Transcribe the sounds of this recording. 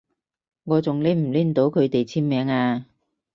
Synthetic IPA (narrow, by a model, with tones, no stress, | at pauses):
ŋɔː˨˧t͡sʊ˨ŋleː˨˥m̩˨˩liː˥n̩˨t̪o˨˥wkʰɵ˨˧ɥt̪e˨jt͡sʰiː˥nmɛː˨˥ŋaː˧